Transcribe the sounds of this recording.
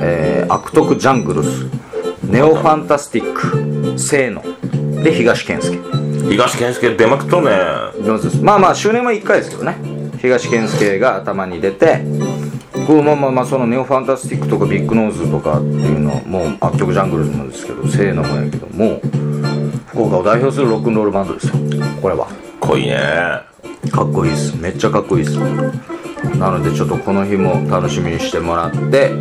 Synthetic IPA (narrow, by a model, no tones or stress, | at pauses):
ḛːa̰kɯ̟̥t̪o̞kɯ̟d͡ʑãŋɡɯ̟ɾɯsɨ̥ne̞o̞ɸãnt̪asɨ̥t̪ʲikːɯ̥se̞ːno̞̰d̪e̞çiɡaɕi̥kẽ̞ɰ̃sɨ̥ke̞̥çiɡaɕi̥kẽsɨ̥ked̪e̞makɯ̟̥t̪onenoːzɨd̪esɨ̥maːmaːɕɨːnẽ̞moikːaid̪esked̪oneçiɡaɕi̥kẽɰ̃sɨ̥ke̞ɡaːt̪amaɲ̟id̪e̞t̪e̞ | komamaːmaːso̞none̞o̞ɸãnt̪asɨ̥t̪ʲikːɯ̟̥t̪o̞kabʲikːɯ̟no̞ːzɨt̪oka̰t̪ːḛjɯ̟no̞a̰moːakʲːo̞kɯ̟ʑãŋɡɯ̟ɾɯd̪omõnd̪e̞sɨ̥ke̞̰d̪o̞̰se̞ːnomõ̰ja̰ke̞d̪o̞̰moː | ɸɯ̥ko̞ːkaod̪aiço̞ːs̬ɨɾɯ̟ɾo̞kːɯ̟̃nɾo̞ːɾɯ̟bãnd̪o̞d̪e̞sɨjoko̞ɾe̞βa̰ | kʰːoḭːnḛ | kʰakːo̞iːsɨ̥me̞t͡ɕːakakːo̞iːsɨ̥ | nano̞d̪e̞t͡ɕo̞t̪ːo̞kʰo̞no̞çimo̞t̪ano̞ɕimʲiɲ̟iɕi̥t̪e̞mo̞ɾat̪ːe̞